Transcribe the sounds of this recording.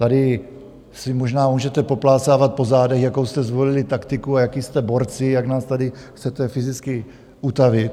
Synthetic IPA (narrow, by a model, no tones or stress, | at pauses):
t̪adɪ | sɪmo̞ʒnaːmuːʒɛt̪ɛpo̞plaːsaːvat̪̚po̞zaːdɛxjako̞wst̪ɛzvo̞lɪlɪt̪akt̪ɪkuajakist̪ɛbo̞ɾt͡sɪjaɡnaːst̪adɪ | xt͡sɛt̪ɛfɪzɪt͡skɪ | ʔut̪avɪt̪